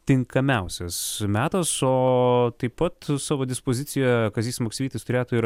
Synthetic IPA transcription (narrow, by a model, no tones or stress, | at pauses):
t̪ʲɪŋkɐmʲɛʊsʲɛsmʲæːt̪ɐsoːt̪ɐɪppɐt̪sɑːʋoːd̪ʲɪspoːzʲɪsʲɪjɛkɐzʲiːsʲmoːksʲiːt̪ɐɪst̪ʊɾʲeːt̪ʊɪɾ